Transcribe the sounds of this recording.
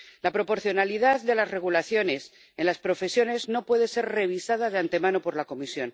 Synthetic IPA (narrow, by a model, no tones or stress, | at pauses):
lapɾo̞po̞ɾθjo̞naliðaððe̞lazre̞ɣ̞ulaθjo̞ne̞s | e̞nlaspɾo̞fe̞sjo̞ne̞zno̞pwe̞ðe̞se̞ɾre̞β̞isað̞aðeant̪e̞mãno̞po̞ɾlako̞misjo̞n